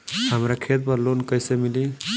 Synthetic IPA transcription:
həmɾakʰet̪̚pəɾlonkəjsemili

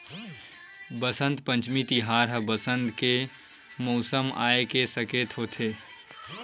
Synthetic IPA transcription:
bəsə̃nt̪pə̃nt͡ʃmit̪iɦaːɾɦəbəsə̃nt̪ke | mɔːsəma̰ːekesəkeːt̪ɦoːt̪ʰeː

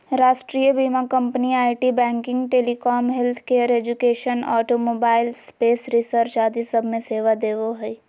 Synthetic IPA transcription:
ɾaːʃʈɾijəbiːmakɐ̃mpniaːɪʈibɛ̃ːŋkɪ̃ŋɡʈeːlikɔːmɦɛlt̪ʰkeːəɾeːd͡ʒʊkeːʃənɔ̰ːʈomoːbaːɪlspeːsɾɪsəɾt͡ʃaːd̪isɐbʱmẽseːʋad̪eːʋoɦɛi

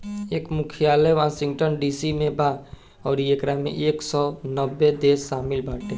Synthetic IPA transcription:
eːkmʊkʰijaːləjʋaːsɪ̃ŋɡʈənɖiːsimẽbʱa | ɔːɾekɾamḛ̃ʔeːksɔnəbːed̪eːsːaːmɪlbʱaːʈẽ

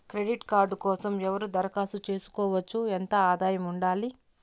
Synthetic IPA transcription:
kɾe̞ɖiʈkaːɾɖkɔːsɐmɛʋɐɾud̪ɐɾɐkaːsut͡ʃe̞ːsu̥kɔːʋɐt͡ʃːuent̪ɐaːd̪aːjɐmuɳɖaːli

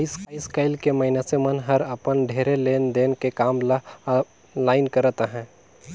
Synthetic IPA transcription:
ɪskaɪskaːɪlkeməɦɪnasemənɦɐɾəpənɖʱeːɾeleːnd̪eːnkekaːm | laːɪnkəɾət̪aɦɛ̃ː

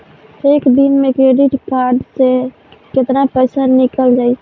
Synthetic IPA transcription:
seːkd̪inmẽkɾeːɖɪʈkaːɾɖse | kɪt̪napɾɛːsəɾnɪkəld͡ʒaːi

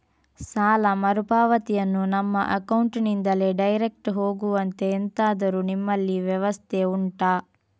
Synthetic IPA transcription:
saːlɐmɐɾupaːʋɐt̪ijɐnːunɐmːɐ̰ʔɐkɐwuɳʈnind̪ɐle̞ːɖɐjɾek̚ʈɦo̞ːɡuʋɐnt̪e̞ːnt̪aːd̪ɐɾunimːɐlːiʋjɐʋɐst̪ʰeuɳʈaː

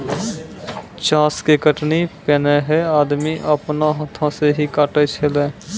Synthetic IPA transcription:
t͡ʃãːskekəʈnipeːneɦɛaːd̪miʔəpnaɦə̃t̪ʰãseɦikaːʈet͡ʃʰelẽː

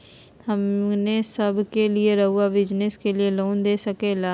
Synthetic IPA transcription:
hɐmnesəbkelieɾɐɦuabɪd͡ʒneskelieloːnd̪eːsəkeːlaː

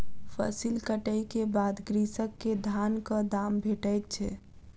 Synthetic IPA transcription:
pʰə̰silkəʈəjkebad̪ɡɾisəkːed̪ʱankə̃d̪ambʱeʈəjt̪̚t͡ʃʰɛ

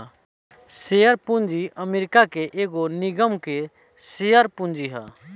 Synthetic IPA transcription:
seəɾpũnd͡ʒiʔəmeːɾɪkakeʔeːɡonɪɡəmke | sejəɾpũnd͡ʒiɦa̰

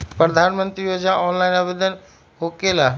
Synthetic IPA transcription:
pɾəd̪ʱaːnmə̃nt̪ɾijod͡ʒnaʔɔːnlaɪnabed̪ən | ɦokela

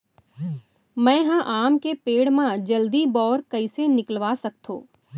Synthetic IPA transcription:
mɛ̃ːɦɐ̃ʔaːmkepeːɽmãd͡ʒɐld̪ibɔːɾkɐisenɪklʋasɐk̚t̪ʰõ̰ː

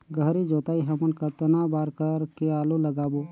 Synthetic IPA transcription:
ɡʱəɾid͡ʒoːt̪aːiɦəmənkat̪nabaːɾkəɾkeaːluləɡaːboː

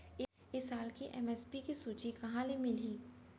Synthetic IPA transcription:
ɪ | ɪsaːlkiʔɛ̰mɛːspikisuːt͡ʃikɐɦãlemɪliː

